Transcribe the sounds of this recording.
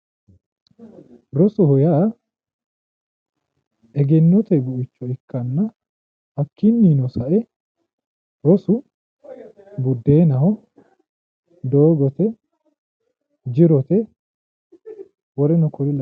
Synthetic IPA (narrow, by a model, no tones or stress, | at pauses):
ɾɔsɔhɔjaː | ʔɛɡɛnːɔt̪ɛbʊʔɪt͡ʃːɔɛkːɐnːɐ | ɐkːɪnːiːnɔsɐʔɛ | ɾɔsʊ | bʊd̪ːeːnɐhɔ | d̪oːɡɔt̪ɛ | d͡ʒɪɾɔt̪ɛ | wɔɾɛnɔkʊɾɪlɐ